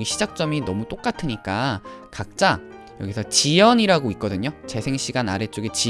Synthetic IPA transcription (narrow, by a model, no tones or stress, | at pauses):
ɡiɕʰid͡ʑak̚t͡ɕ͈ʌminʌmut͈ok͈atʰɯɲik͈akak̚t͡ɕ͈a | jʌ̰ɡisʰʌt͡ɕijʌɲiɾaɡoik̚k͈ʌdɯɲot͡ɕe̞sʰe̞ŋɕ͈ʰiɡanaɾe̞t͡ɕ͈oɡet͡ɕi